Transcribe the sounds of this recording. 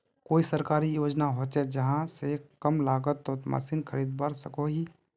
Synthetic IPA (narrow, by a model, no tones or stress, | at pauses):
koːisəɾkaːɾijoːd͡ʒnaɦoːt͡ʃed͡ʒɐɦãsekɐmlaːɡət̪ːoma̰ːsiːnkʰəɾiːd̪baːɾsəkoɦiː